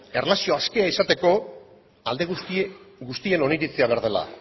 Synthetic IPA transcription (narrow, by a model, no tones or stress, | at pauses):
e̞rlasio̞aske̞aisat̪e̞ko̞ | ald̪e̞ɣuɡust̪ie̞no̞niɾit͡seaβeɾð̞e̞la̰